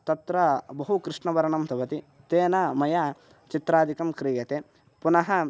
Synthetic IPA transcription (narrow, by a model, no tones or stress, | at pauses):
t̪ɐt̪ɾɐbɐɦukɾɪʂɳɐʋɐɾɐɳɐmt̪ʰɐʋɐt̪i | t̪eːnɐmɐjɐ | t͡ʃit̪ɾaːd̪ʱikɐmkɾiːjɐt̪eː | punɐɦɐ